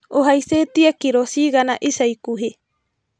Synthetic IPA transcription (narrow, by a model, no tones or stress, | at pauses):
oɦaiset̪iakiɾosiɡanaʔisajkuɦe